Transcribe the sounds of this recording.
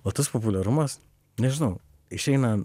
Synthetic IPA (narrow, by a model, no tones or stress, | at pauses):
oːt̪ɐspop̬ʊlʲɛɾʊmɐs | nʲɛʒʲɪnɐʊ | ɪʃʲɛɪnɐ